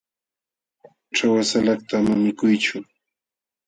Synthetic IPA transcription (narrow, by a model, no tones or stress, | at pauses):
ʈ͡ʂawasalakt̪amamɪkʊjt͡ʃʊ